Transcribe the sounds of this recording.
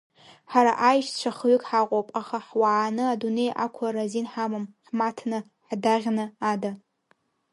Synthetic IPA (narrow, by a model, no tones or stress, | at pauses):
ħaɾa̰ʔajʃt͡ʃʷʰaχɥʏkʼħaqʷʼopʼaχaħwaʕːnɨadune̞jʔa̰kʷʰʊrazinħamamħmatʰnɨ | ħdaʁʲnɨada